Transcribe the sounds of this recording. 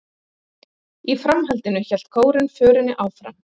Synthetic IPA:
ifɾamɦalt̪ɪnʏçɛl̥t̪̚kʰoːwɾɪnfœːɾɪnːɪʔaːwfɾa̰m

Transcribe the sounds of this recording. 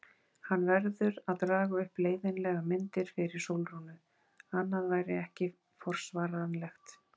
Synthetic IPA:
hanːvɛɾðʏɾaðt̪ɾaːɣaʏhpleːjðɪnlɛːɣamɪnt̪ɪɾ̥fɪɾɪɾ̥sowlɾunʏ | hanːaðvaːjɾɪɛhcɪ | fɔr̥svaːɾanlɛxt̪

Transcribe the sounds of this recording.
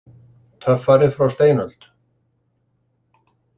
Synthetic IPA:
t̪ʰœfaɾɪðfɾawst̪eːjnœl̥t̪

